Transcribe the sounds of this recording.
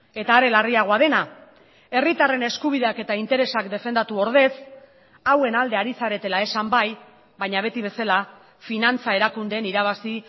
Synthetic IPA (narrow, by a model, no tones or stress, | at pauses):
e̞t̪aːɾe̞lariaɣ̞o̞að̞e̞na | e̞rit̪are̞ne̞skuβ̞iðeake̞t̪aint̪e̞ɾe̞sakd̪e̞fe̞nd̪at̪uo̞ɾð̞e̞s | awe̞nald̪e̞aɾisaɾe̞t̪e̞lae̞sambaj | βaɲaβ̞e̞t̪iβ̞e̞sala | finant͡sae̞ɾakund̪e̞ːniɾaβ̞asi